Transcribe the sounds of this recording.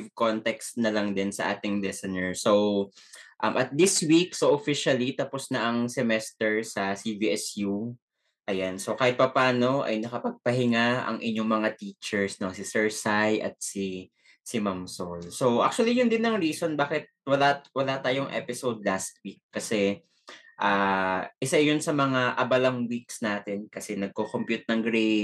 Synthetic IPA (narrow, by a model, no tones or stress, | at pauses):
vkont̪ɛkst̪nɐlɐŋd̪ɪnsɐʔa̰ːt̪ɪŋlɛsɐnɛɹsow | ʔɐmʔɐt̪̚d̪ɪswiksoʔofiʃɐlit̪ɐposnɐʔɐŋsɛmɛst̪ɛɹsɐsiviʔɛsju | ʔɐjansokaːhɪt̪̚pɐpaːno̞ʔɐ̰jnɐkɐpɐɡ̚pɐɦɪŋaɐ̰ŋʔɪ̰ɲːo̞ŋmɐŋat̪iːt͡ʃɛɹsnosɪsɛɹsajʔɐ̰t̪̚si | sɪmamsolsowʔa̰k̚t͡ʃuɐlijʊnd̪ɪnːɐŋɹiːso̞nbaːkɪt̪̚wɐlawɐlat̪aːjoŋʔɛ̰pɪsowd̪̚last̪̚wik̚ːɐsɛ | ʔaːʔɪsaɪjʊnsɐmɐŋaʔɐbɐlɐŋwiksnaːt̪ɛnkɐsɛnɐɡ̚kokompjut̪̚nɐŋɡɾej